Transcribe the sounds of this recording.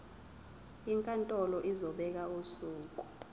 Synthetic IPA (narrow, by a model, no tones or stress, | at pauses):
iŋkʼantʼɔlɔʔizɔɓɛk̬ausuːk̬ʼu